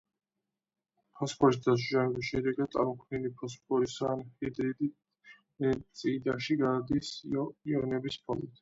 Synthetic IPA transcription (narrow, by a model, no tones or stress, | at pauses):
pʰɔspʰɔɾis̬d̪as̬ʒamɛbisʃɛd̪ɛɡad̪sʼa̰ɾmɔkʰnilipʰɔspʰʼɔɾisaːnhɛd̪ɛd̪ | sʼid̪aʃiɡad̪isiɔnɛbispʰɔlˠit̪ʰ